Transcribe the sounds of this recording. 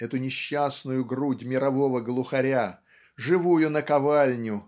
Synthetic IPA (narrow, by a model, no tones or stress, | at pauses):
ɛt̪ʊnʲɪɕːasnʊjʊɡrudʲmʲɪɾɐvo̞vəɡlˠʊxɐɾʲa | ʐɨvujʊnəkɐvalʲnʲʊ